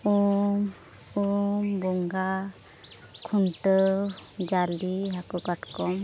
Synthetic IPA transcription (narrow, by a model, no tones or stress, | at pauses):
um | umbɔŋɡa | kʰuɳʈɔd͡ʒaliɦakɔkaʈkɔm